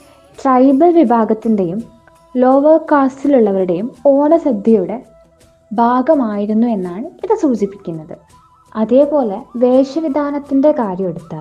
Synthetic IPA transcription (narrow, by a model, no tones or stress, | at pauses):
ʈrɐjbɐlʋibʱaːɡɐt̪ːinde̞jum | lo̞ːʋɐrkaːstiluɭːɐʋɐɾuɽe̞jumo̞ːɳɐsɐb̪ʱjɐjuɽe̞ | bʱaːɡɐmaːjiɾunːue̞nːaːɳɨiðɨsuːd͡ʑipːikʲːunːɐðɨ | ɐðe̞ːpo̞ːle̞ʋe̞ːʂɐʋid̪ʱaːnɐt̪ːinde̞kaːɾjɐmeɽut̪ːaː